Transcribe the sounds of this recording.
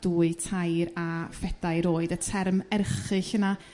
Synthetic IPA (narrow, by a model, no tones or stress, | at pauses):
d̥uːɨtʰajɾafɛd̥ajɾoːɨdətʰɛrmɛrχɨɬhəna